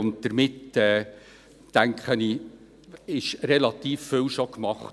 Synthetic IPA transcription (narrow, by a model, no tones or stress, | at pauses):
ʊnt̚d̥̪əɾmɪtɛː | tæŋkχəni | ɪʃɾɛlɑt̪iːfːʏwʃokmɑχt